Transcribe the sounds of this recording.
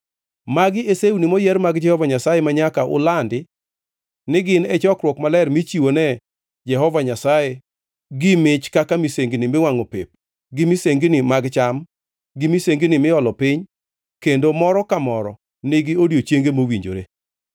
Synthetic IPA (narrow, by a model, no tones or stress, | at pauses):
maɡɪeseunɪmɔjɛɾmaɡd͡ʒɛhɔvaɲasajemaɲakaʔʊ̰landɪ | nɪɡɪnɛt͡ʃɔkɾwɔkmalɛrmit͡ʃiwonɛ | d͡ʒɛɦɔvaɲasaje | ɡɪmɪt͡ʃkakamiseŋɡinɪmɪwaŋopḛp̚ | ɡɪmiseŋɡinɪmaɡt͡ʃam | ɡɪmiseŋɡinɪmɪɔlɔpɪɲ | kendomɔɾɔkamɔɾɔ̰ | nɪɡɪodjot͡ʃjeŋɡemowiɲd͡ʒo̰ɾḛ